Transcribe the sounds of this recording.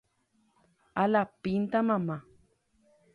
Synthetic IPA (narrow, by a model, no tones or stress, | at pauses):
alapint̪amama